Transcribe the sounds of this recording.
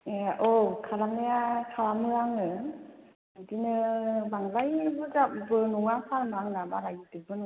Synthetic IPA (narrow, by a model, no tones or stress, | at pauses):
eʔokʰaɾamnɯjakʰaɾamɯaŋɯ | ɯdinɯbaŋlajbɯzapbɯnuŋapʰaɾmɯaŋnabaɾajitɯbɯn